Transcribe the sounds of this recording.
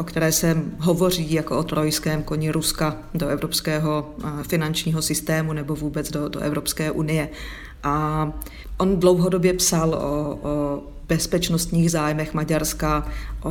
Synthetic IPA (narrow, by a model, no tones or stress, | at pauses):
ʔokt̪ɛɾɛːsɛɦo̞vo̞r̝iːjakoʔot̪ɾojskɛːmko̞ɲɪɾuska | doʔɛvɾopskɛːɦo̞fɪnant͡ʃɲiːɦo̞sɪst̪ɛːmunɛbo̞vuːbɛt͡sdodo̰ʔɛ̰vɾopskɛːʔunɪjɛ | ʔa | ʔondlo̞wɦodo̞bjɛpsalʔo̰ | b̥ɛspɛt͡ʃnost̪ɲiːɣzaːjmɛxmaɟaɾskaʔo